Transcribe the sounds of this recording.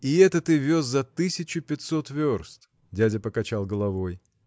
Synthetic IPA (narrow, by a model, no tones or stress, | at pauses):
ɪɛt̪ət̪ɨvʲoszɐt̪ɨsʲɪt͡ɕʊpʲɪt̪so̞t̪vʲorst̪ | dʲædʲəpəkɐt͡ɕalˠɡəlˠɐvo̞j